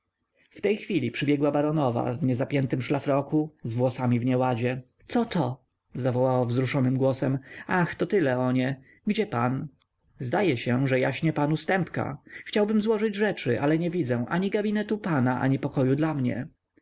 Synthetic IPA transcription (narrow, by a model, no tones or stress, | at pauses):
ft̪ɛjxfʲilʲipʂɘbʲjɛɡwabaɾɔnɔva̰vɲɛzapʲjɛnt̪ɘmʂlafɾɔkuzvwɔsamʲivɲɛwad͡ʑɛ | t̪sɔt̪ʰɔ | zavɔwawavzɾuʂɔnɘmɡwɔsɛmaxt̪ɔt̪ɘlɛɔɲɛ | ɡd͡ʑɛpan | zd̪ajɛɕɛʐɛjaɕɲɛpanust̪ɛmpka̰xt͡ɕawbɘmzwɔʐɘd͡ʑʐɛt͡ʂɘʔalɛɲɛvʲid̪zɛ̃ʔaɲiɡabʲinɛt̪upanaʔa̰ɲipɔkɔjud̪lamɲɛ̰